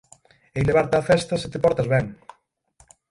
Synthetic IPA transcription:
ejleβaɾt̪aːfɛst̪ɐset̪epɔɾt̪azβɛŋ

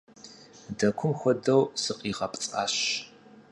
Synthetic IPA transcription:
dɐkʷʰʊmxʷɔdɐwsɨqʼiːʁɐpʼt͡sʼa̰ːɕ

